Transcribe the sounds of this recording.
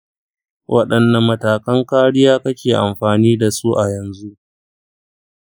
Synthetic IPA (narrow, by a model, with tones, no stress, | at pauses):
wʔɐ˦ɗɐ˨nːɐ˨mːɐ˨taː˨kɐ˦ŋkaː˦ɽɪ˦jaː˦kɐ˦kʲeː˨ʔa˨mɸaː˨niː˦da˨su˦ʔa˨jɐ˨nzu˦ʔ